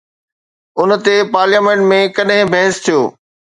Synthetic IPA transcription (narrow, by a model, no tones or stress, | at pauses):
ʊnt̪epaːɾljaːmẽɳʈmẽkɐɗɦɪ̃bʱɛ̃ːst̪ʰijo̰ː